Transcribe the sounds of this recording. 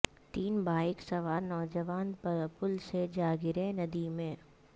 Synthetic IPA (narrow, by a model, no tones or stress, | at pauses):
t̪iːnbʱaːɪksɐʋaːɾnɔːd͡ʒəʋaːnpɐɾəpʊlsed͡ʒaːɡɪɾẽnɐd̪imẽː